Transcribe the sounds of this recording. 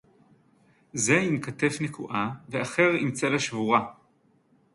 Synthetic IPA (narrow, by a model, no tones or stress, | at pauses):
zeimkate̞fnekʰuʔaveaχe̞ʁimt͡selaʃvuʁa